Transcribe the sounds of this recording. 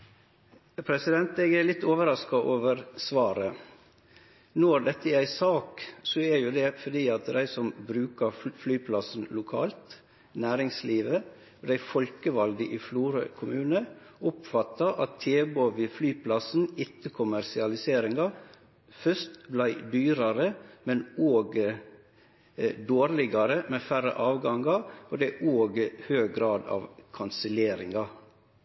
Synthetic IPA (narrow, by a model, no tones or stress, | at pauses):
pʰɾɛsɪd̪ɛnt̪eːɡælɪt̪ːoːʋəɾɑskɑʔoːʋəɾsʋɑːɾə | nɔɾd̪ɛt̪ːəɛæɪsɑːksoɛɾjʊd̪ɛfɔd̪iːɑt̪d̪æɪsɔmbɾʉːkəɾflyːpʰlɑsn̩lʊkʰɑːlt̪ | næːɾɪŋsliːʋə | ɔd̪æɪfɔlkəʋɑlɡ̪əʔifluːɾə̰kʰʊmʉːnəʊpfɑt̪ːɑʔɑt̪ʰːeːboʋiːflyːpʰlɑsn̩ɪt̪ːəkʰʊmæɾsɪɑlɪseːɾɪŋɑ | fœst̪blæɪd̪yːɾɑɾəmɛnoːɡ | d̪oːɾlɪɡɑɾəmeːfæɾə̰ʔɑːʋɡɑŋɡɑod̪ɛɪʔoːɡhøːɡ̚ɡɾɑːd̪ɑ̰ːʋkʰɑnsəleːɾɪŋɡɑ